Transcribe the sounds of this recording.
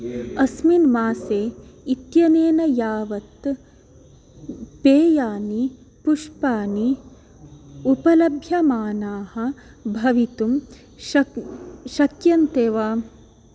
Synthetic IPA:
ɐsminmaːseːit̪jɐneːnɐjaːʋɐt̪ | peːjaːni | puʂpaːni | upɐlɐbʱjɐmaːnaːhɐ̆ | bʱɐʋit̪um | ʃɐkjɐnt̪eːʋaː

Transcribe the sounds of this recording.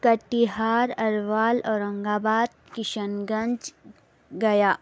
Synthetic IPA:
kɐʈːiɦaːɾɐɾʋaːlɔːɾɐ̃ŋɡaːbaːd̪̚kɪʃənɡɐ̃nd͡ʒ | ɡɐjaː

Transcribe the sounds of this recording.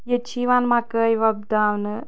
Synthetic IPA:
jet͡ʃiʋanmakəjʋɐb̚d̪aʋnə

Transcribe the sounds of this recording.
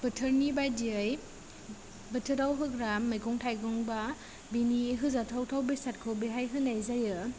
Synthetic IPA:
b̥ɯtʰɯɾnibajdiaj | bɯtʰɯɾawɦɯɡɾamːɯjɡɔŋtʰajɡɔŋba | biniɦɯzatʰawtʰawbesat̚kʰɯwbeɦajɦɯnajzajɯ

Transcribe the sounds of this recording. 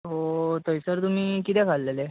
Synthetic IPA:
ɦot̪əjsəɾt̪um̤iːkit̪ɛ̃kʰalːele

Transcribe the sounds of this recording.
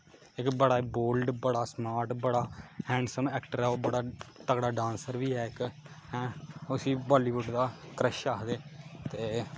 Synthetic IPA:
ɪkbəɽaːboːlɖbəɽaːsmaːɾʈbəɽaːhɛ̃ːɳɖsəmɛːkʈəɾɛːoːbəɽaːt̪əkɽaːɖãːnsəɾʋiːɦɛːɪk | ɦɛ̃ːʊsĩːbɔːliːʋʊɖd̪aːkɾəʃaːd̪eːt̪eː

